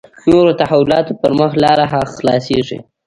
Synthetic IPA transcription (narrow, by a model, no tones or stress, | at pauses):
noɾot̪ahawʊlɑt̪opəɾməxlɑɾaɦaxlɑseʐḭ